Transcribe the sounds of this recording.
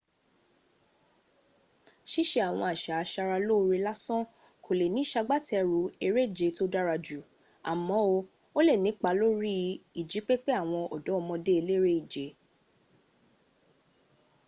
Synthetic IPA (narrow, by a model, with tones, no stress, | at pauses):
ʃi˦ʃe˧a˨w̃ɔ̃˧a˨ʃa˨a˧ʃa˧ɾa˧lo˦˧ɾi˧la˦sɔ̃˦ | kʰo˨le˨nĩ˨˦ʃa˧ɡ͡ba˦tɛ˧ɾu˨˦e˧ɾe˦i˦˨d͡ʒe˨˦to˦da˦ɾa˧d͡ʒu˨ | a̰˨mɔ̃˨˦o˧ | o˦le˦˨nĩ˨˦k͡pa˧˦lo˦ɾi˦i˦˨d͡ʒi˨˦k͡pe˦k͡pe˦a˦˨w̃ɔ̃˧ɔ̰˨dɔ˨˦ɔ˧mɔ̃˧de˦e˧le˦ɾe˦i˦˨d͡ʒe˨˦